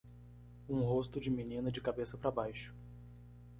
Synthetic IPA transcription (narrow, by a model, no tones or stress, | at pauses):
ũɦost̪ʊd͡ʒɪminĩnɐd͡ʒɪkabesɐpɾɐbajʃʊ̥